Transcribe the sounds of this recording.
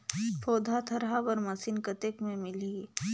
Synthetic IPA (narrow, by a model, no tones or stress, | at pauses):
pʰoːd̪ʱat̪ʰɐɾɦaʋɐɾmɐsinkɐt̪ekmẽmɪli